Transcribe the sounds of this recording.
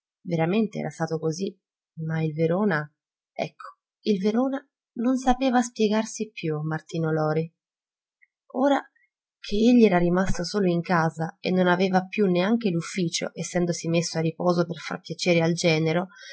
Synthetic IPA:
veɾament̪eɛ̰ɾast̪aːt̪okozi | mailveɾoːna | ɛ̰kʰːo̥ | ilveɾoːna | nonsapeːvas̬pjɛɡarsipjumart̪iːnolɔːɾi | oːɾa | kʰeeʎːiɛːɾarimast̪osoːloiŋkaːzaḛnːonavɛːvapjuneaŋk̟elufːiːt͡ʃo̰ʔesːɛnd̪osimesːoarːipɔːzoperfa̰rpːjat͡ʃeːɾeald͡ʒɛːneɾo

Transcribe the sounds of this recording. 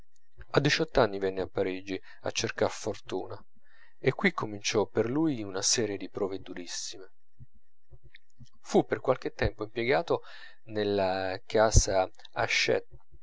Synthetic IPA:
ad̪ːit͡ʃɔt̪ːanːivɛnːeapːaɾiːd͡ʒi | a̰t͡ʃːerkarfort̪ṵːna | ekːwikʰːomint͡ʃɔpːerlujunasɛːɾjed̪ipɾɔːved̪uɾisːime | fupːerkwalk̟et̪ːɛmpoimpjeɡaːt̪o | nelːakaːza | aʃːɛ̰t̪̚

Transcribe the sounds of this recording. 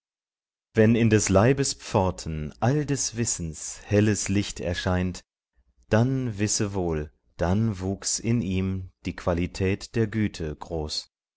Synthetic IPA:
vɛnɪndɛslaɪbəspp͡fɔɐtʰn̩ʔaldɛsv̥ɪsn̩shɛləslɪçtɛ̰ɐʃaɪnt | d̥anvɪsəvoːl | d̥anvuːksɪniːmd̥iːkv̥alitʰɛːtd̥eːɐɡyːtʰəɡ̥ʁoːs

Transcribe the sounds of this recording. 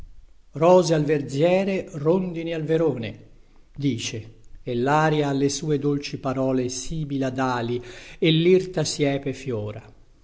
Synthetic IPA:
rɔːzealverd̪zjɛːɾerond̪inialveɾoːne | d̪iːt͡ʃeːlːaːɾjaːlːesuːed̪olt͡ʃipaɾɔːlesiːbilad̪aːlielːirt̪asjɛːpefjɔːɾa

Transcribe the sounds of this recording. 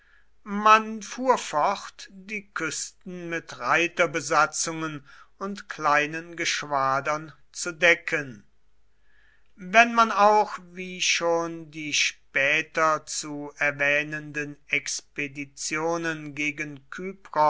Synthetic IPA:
manfuːɐfɔχtd̥iːkʰʏstn̩mɪtʁaɪtɐbəzat͡sʊŋənʊntklaɪnənɡəʃv̥aːdɐn | t͡sudɛkʰən | vɛnmanaʊxviːʃoːndiːʃpɛːtɐt͡suɛɐvɛːnəndənɛkspedit͡sjoːnənɡeːɡənkʰyːpʁɔ

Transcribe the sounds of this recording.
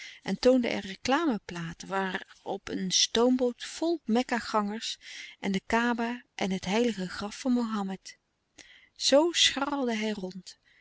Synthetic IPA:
ʔɛntowndə̰ʔɛ̰rəklaːməplaːtʋaːrɔpənstowmbowtfɔlˠmɛkaχɑŋəɹsʔɛndəkaːbaʔɛnɦətɦɛjləχəχrɑfːɑnmowɦɑmɛt | sowsχɑlˠdəɦɛjrɔnt

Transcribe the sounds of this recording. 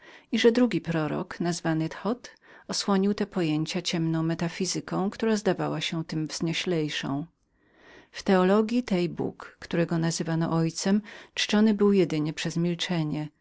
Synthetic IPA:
iʐɛd̪ɾuɡʲipɾɔɾɔ̰knazvanɘt̪xɔt̪ | ɔswɔɲiwt̪ɛpɔjeɲt͡ɕat͡ɕɛmnɔ̃w̃mɛt̪afʲizɘkɔ̃w̃kt̪uɾazd̪avawaɕɛt̪ɘmvz̥ɲɛɕlɛjʂɔ̰̃w̃ | ft̪ɛɔlɔɡʲjit̪ɛjbṵkːt̪uɾɛɡɔnazɘvanɔ̰ʔɔjt̪sɛmt͡ʂt͡ʂɔnɘbɘwjɛd̪ɘɲɛpʂɛzmʲilt͡ʂɛɲɛ

